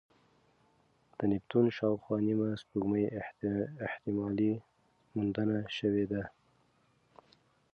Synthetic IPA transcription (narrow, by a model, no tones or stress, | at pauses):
d̪̥ənɪpt̪unʃɑwxwɑnimaspuɡməj | ɪht̪ɪmɑli | mund̪ənaʃəwed̪a